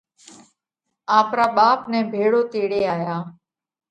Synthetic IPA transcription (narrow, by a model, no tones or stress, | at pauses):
aːpɾaːɓaːpnɛ̃ːbʱeːɽoːt̪eːɽeːaːjaː